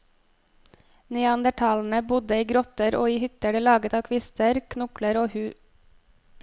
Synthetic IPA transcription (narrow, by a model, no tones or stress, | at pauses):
niːɑnd̪əʈʰɑːln̩əbʊd̪əiːɡɾɔt̪əɾʔo̰ːiːhʏt̪əɖəːlɑːɡət̪ɑːkʰʋɪst̪ʰəɾkʰnʊkləɾoːhʉː